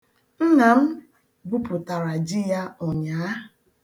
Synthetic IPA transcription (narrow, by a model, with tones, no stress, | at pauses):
n̩˦na˨m̩˦ | bu˦pʊ˨ta˨ɾa˨d͡ʒi˦ja˦ɔ˨ɲaː˨˦